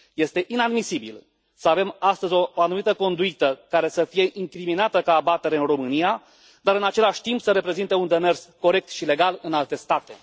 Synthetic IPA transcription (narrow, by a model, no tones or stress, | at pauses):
je̞st̪e̞ʔinad̪misibḭl | səave̞mast̪əzʲo̞ːanumit̪əko̞nd̪uit̪əkaɾe̞səfije̞ʔiŋkɾiminat̪əkaːbat̪e̞ɾeɨnro̞mɨnija | d̪aɾɨnat͡ʃe̞laʃʲt̪impsəɾe̞pɾe̞zint̪e̞und̪e̞me̞rsko̞ɾe̞k̚t̪ʃile̞ɡalɨnalt̪e̞st̪at̪e̞̰